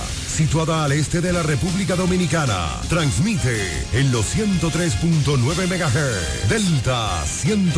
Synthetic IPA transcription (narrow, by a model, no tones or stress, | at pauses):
sit̪waðaːle̞st̪e̞ðe̞lare̞puβlikaðo̞mĩnikana̰ | t̪ɾansmit̪e | enlo̞sθje̞nt̪o̞t̪ɾe̞spunt̪o̞nwe̞βe̞meɣaɦeɾ | d̪elt̪a | sje̞nt̪